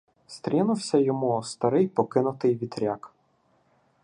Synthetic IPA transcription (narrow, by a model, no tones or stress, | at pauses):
st̪ɾʲinʊwsʲɐjɔmust̪ɐɾɪjpɔkɪnʊt̪ɪjʋʲid̪ɾʲak